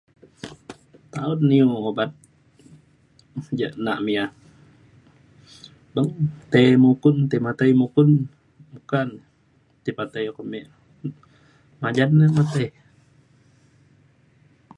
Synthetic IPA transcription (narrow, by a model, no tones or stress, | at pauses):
t̪aunːioobat̪̚ | d͡ʒəʔnaʔmia | bəŋt̪emukunt̪əmat̪əjmukun | mukan | t̪ipat̪əjkəmeʔ | mad͡ʒanːəmat̪əj